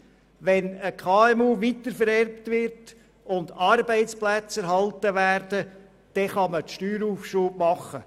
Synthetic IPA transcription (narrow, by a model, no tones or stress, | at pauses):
ʋɛnəkʰɑːɛmuːʋitəɾfəɾɛrptʋɪɾt | ʊnd̪ɑɾbɛɪt͡splæt͡sɛɾɦɑltəʋæːrdə | d̥ɛχɑmətʃtyːɾuːfʃuːbmɑχə